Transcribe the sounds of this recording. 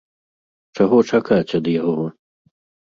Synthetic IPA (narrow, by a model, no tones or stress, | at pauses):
t͡ʂaɣɔt͡ʂakat͡sʲɐd̪jaɦɔɔ